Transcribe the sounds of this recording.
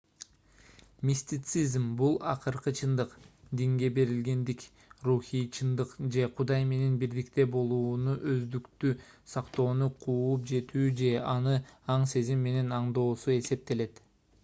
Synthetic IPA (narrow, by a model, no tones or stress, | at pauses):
mʲisʲt̪ʲɪt̪sɨzmbulˠɑ̰qɯɾqɯt͡ʃʰɯnd̪ɯqd̪iŋɡe̞be̞ɾilɡe̞nd̪ik | ruxijt͡ʃʰɯnd̪ɯqd͡ʒe̞qʰud̪ɑjme̞ne̞nbiɾd̪ikt̪e̞bo̞lˠuːnuʔøzd̪ykt̪ysɑqt̪o̞ːnuqʰuːup̚d͡ʒe̞t̪yːd͡ʒe̞ɑnɯɑɴse̞zimːe̞ne̞nɑɴd̪o̞ːsue̞se̞p̚t̪e̞le̞t̪